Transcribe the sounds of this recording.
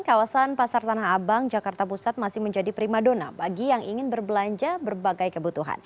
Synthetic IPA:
kawasanpasart̪anahɦabaŋd͡ʒakart̪apusat̪̚masɪhməɲd͡ʒadipɾimadona̰baɡijaŋiŋɪnbərbəlaɲd͡ʒabərbaɡajkəbut̪uɦa̰n

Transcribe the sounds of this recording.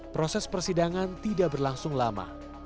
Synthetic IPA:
pɾosɛspərsidaŋant̪idaʔbərlaŋsʊŋlama̰

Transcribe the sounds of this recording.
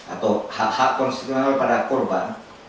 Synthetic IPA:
a̰t̪ɔwhaʔhaʔkːɔnst̪it̪uɛnalpadakɔrban

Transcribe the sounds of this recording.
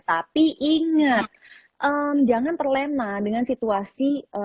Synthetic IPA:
t̪apiʔiŋət̪̚ | ʔəmd͡ʒaŋant̪ərlenadəŋansit̪uasiə

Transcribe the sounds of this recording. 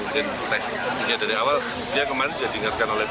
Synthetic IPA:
sɪn | t̪ɛs | iɲadaɾiawal | diakəmaɾɪnd͡ʒuadəŋarkanolɛh

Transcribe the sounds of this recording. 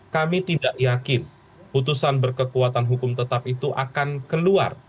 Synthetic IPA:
kamit̪idaʔjakɪn | put̪̬usanbərkəkuat̪anɦukʊmt̪ət̪ap̚it̪uʔa̰kankəlua̰r

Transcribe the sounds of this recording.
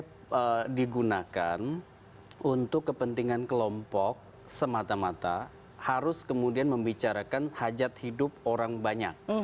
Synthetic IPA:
ədiɡunaka̰n | unt̪ʊkːəpənt̪iŋankəlɔmpɔk̚ | səmat̪amat̪a | haɾʊskəmudianməmbit͡ʃaɾakanhad͡ʒat̪̚hidʊp̚oɾaŋbaɲa̰k̚

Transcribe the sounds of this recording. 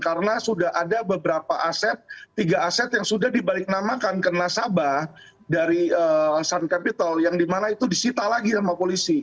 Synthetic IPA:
kaɾənasudaɦadabəbəɾapaʔasɛt̪̚ːiɡaasɛt̪jaŋsudahdibalɪk̚namakankərənasaba | daɾiəsankapit̪əljaŋdimanait̪udisit̪alaɡinamapolisi

